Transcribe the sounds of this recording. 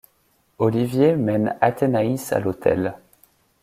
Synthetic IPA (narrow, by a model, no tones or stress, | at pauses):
ɔlivjemɛnat̪ʰenaisa̰lot̪ʰɛ̰l